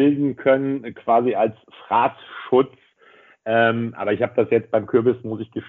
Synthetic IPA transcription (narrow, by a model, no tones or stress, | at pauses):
ɪldn̩kʰœnənkʰv̥aːzialsfʁ̥aːtʃʊt͡s | ʔɛːmʔa̰ːbɐɪçhaːbəd̥asjɛt͡st̚b̥aɪmkʰʏɐbɪsmʊsɪçɡ̥əʃ